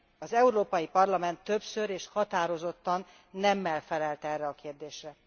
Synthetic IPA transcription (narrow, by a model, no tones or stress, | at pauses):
ɒzɛuɾoːpɒjipɒrlɒmɛnt̪ːø̞psøɾeːʃhɒt̪aːɾo̞zo̞t̪ːɒnː | ɛmːɛlfɛlɛlt̪ɛrːɛɒkeːrd̪eːʃrɛ